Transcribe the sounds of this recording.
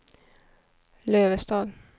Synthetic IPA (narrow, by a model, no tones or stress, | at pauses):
løːʋəst̪ɑːd̪